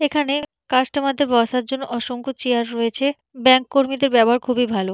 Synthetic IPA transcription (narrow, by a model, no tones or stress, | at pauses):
ekʰane | kaʃʈamad̪ʱːebɔsaɾd͡ʑonːoʔɔʃoŋkot͡ɕeaɾːoet͡ɕʰe | bɛŋkːoɾmid̪eɾbɛboɦaɾkʰubibʱalo